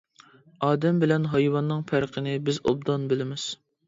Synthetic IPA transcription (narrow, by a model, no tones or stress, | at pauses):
ɑːd̪ɛmbɪlɛnɦɑjwɑnːɨŋpʰæɾqʰənɪbɪzo̰b̚d̪ɑnbɪlɪmɪz̥